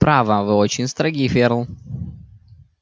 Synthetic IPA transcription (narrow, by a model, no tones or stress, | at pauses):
pɾavavɨɔt͡ʃinst̪ɾaɡʲifeɾlˠ